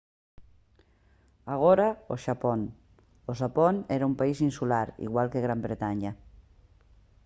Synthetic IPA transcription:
aɣ̞oɾaoʃapon | oʃaponeɾaumpaisinsulaɾḭɣwalkeɣɾambɾet̪aɲa

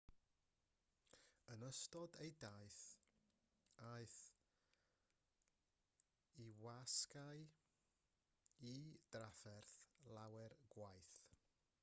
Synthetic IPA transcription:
ənəstɔdejdajθ | ajθ | iwaskaj | id̥rafɛrθlˠawɛrɡ̥wajθ

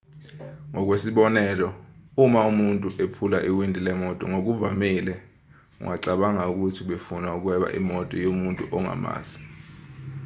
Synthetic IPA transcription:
ŋʱɔk̬ʼwesiɓɔnɛlɔumaumuntʼuʔepʰulaʔiwindʱilɛmɔtʼɔ̰ŋok̬uvamilɛ | ṵŋʔaǀaɓaŋauk̬ʼutʰiɓefunauk̬wɛɓa̰ʔḭmɔtʼɔjomuntʼuʔɔŋa̰ma̰ːsi̥

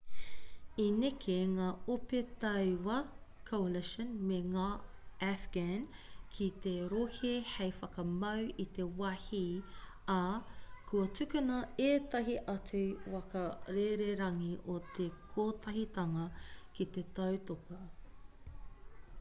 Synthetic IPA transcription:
inekʰeŋaːopet̪ɐwwɐkʰowlɛʃənmeŋaːæfɡ̥ænkʰit̪eɾohihejfɐkɐmɐwit̪e̞wɐhi | ɐkʰuɐt͡sʉkunɐeːt̪ɐɦiʔɐt͡sʉwɐkɐɾeɾeɾɐŋiʔot̪ʰekʰoːt̪ʰɐɦit̪ɐŋɐkit̪et̪ɐwt̪okɐ

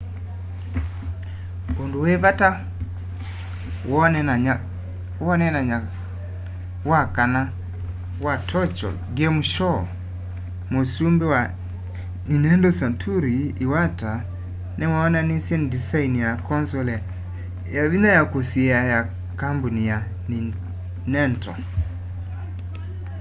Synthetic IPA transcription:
ondowɛvata | wɔa | wɔnɛnaɲa | wakana | watʰɔt͡ʃɔ̰lɡɛmuʃɔ | mosumbɛwa | ninɛndɔsantʰuɾiːwata | nɛwaɔnanisɛnidisainijakɔnsɔl | jaðinajakosiɛaja | kambunija | ni | nɛntɔ̰

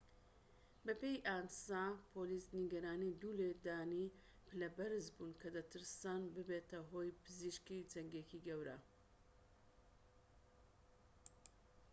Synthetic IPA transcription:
bɐpejʔaːnsapʰolisniɡɐɾaːnid̪uled̪aːni | pɨlɐbɐɾɨzbunkʰɐd̪ɐt̪ʰɨɾsaːnbɨbet̪ɐɦo̞jpʰɨziʃkid͡zɐŋɡekiɡɐwɾɐ̰

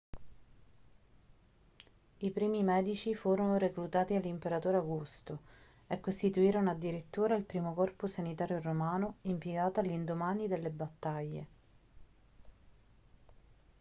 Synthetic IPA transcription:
ipɾiːmimɛːd̪it͡ʃifuːɾonoɾeklut̪aːt̪ialːimpeɾat̪oːɾeaɡust̪o | ekːost̪it̪uiːɾonoad̪ːiɾet̪ːuːɾeilpɾiːmokɔrposanit̪aːɾjoɾomaːnoimpjeɡaːt̪alind̪omaːnid̪elːebat̪ːaʎːe

